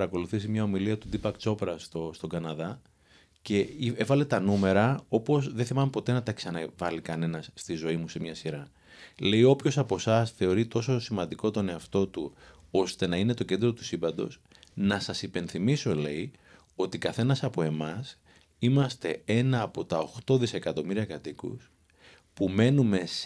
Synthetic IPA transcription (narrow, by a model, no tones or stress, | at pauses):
ɾɐko̞luθisimɲɐo̞miliɐt̪ud̪ipɐkt͡so̞pɾɐst̪ost̪o̞ɡɐnɐðɐ | ce̞ievɐle̞t̪ɐnume̞ɾɐo̞po̞sðeθimɐmepo̞t̪e̞nɐt̪ɐeksɐnɐvɐlikɐne̞nɐsːt̪izo̞imuse̞mɲɐsiɾɐ | le̞jo̞pço̞sɐpo̞sɐsθe̞o̞ɾit̪o̞so̞simɐnd̪iko̞t̪o̞ne̞ɐft̪o̞t̪uo̞st̪e̞nɐine̞t̪o̞ce̞nd̪ɾo̞t̪u̥simbɐnd̪o̞̰s | nɐsɐsipe̞nθimiso̞le̞i | o̞t̪ikɐθe̞nɐsɐpo̞e̞mɐs | imɐst̪e̞e̞nɐːpo̞t̪ɐo̞xt̪o̞ðise̞kɐt̪o̞miɾiɐkɐt̪ikṵs | pume̞nume̞s